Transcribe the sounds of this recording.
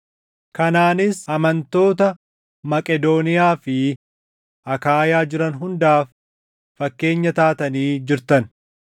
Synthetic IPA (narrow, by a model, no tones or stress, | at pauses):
kɐnaːnɪsɐmɐnt̪o̞ːt̪ɐ | mɐkʼɛd̪o̞ːnɪjaːfɪ | ʔɐkaːjaːd͡ʒɪɾɐnɦʊnd̪aːfː | ɐkːe̞ːɲːɐt̪aːt̪ɐniːd͡ʒɪɾt̪ɐn